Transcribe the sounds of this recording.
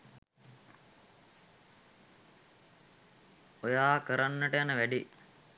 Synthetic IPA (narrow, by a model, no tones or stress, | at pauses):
ojaːkəɾanːəʈəjanəʋæɖi